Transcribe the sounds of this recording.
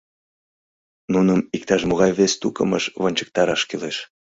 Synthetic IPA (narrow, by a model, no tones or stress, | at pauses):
nunəmik̚t̪ɑʃmoɣɑjβest̪ukəmə̰ʃβonʲt͡ɕə̥k̚t̪ɑɾɑʃkileʃ